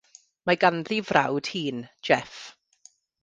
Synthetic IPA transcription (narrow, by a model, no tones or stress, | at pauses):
maɡanðivra̰wd̥hiːnd͡ʒɛf